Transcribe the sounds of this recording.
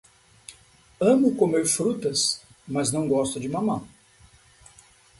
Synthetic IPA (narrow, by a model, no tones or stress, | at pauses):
ɐ̃mʊkomeɾfɾut̪ɐsmɐznɐ̃w̃ɡɔst̪ʊd͡ʒɪmɐ̃mɐ̃